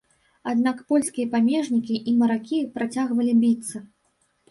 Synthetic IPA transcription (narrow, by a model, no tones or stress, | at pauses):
ad̪nakpɔlʲskʲijɐpamʲɛʐnʲikʲiʔimɐɾakʲipɾat͡sʲaɣvɐlʲibʲit̪sːɐ